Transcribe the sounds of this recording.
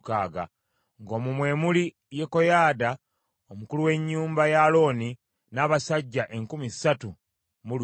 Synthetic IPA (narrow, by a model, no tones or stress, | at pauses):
kaːɡa̰ | ŋɡo̞ːmumwe̞ːmuli | je̞kojaːda | omukuluwe̞ɲːuːmbajalo̞ːni | naːβasaɟːaʔe̞ŋkumisːatu | mul